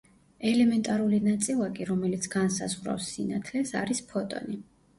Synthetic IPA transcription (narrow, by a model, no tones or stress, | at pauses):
ɛlɛmɛnt̪ʼaɾulinat̪sʼilˠakʼiɾɔmɛlit̪sʰɡ̥ansa̰zʁɾa̰fsːinat̪ʰlɛsa̰ɾispʰɔt̪ʼɔ̰ni